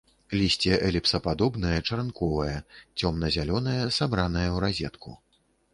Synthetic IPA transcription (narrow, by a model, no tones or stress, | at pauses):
lʲisʲt͡sʲɛʔɛlʲɛpsɐpad̪ɔbn̪ɐjɐt͡ʂɐɾnkɔvɐjɐt͡sʲɔmnɐzʲalʲɔnɐjɐsabɾanɐjɐwɾazʲɛt̪kṵ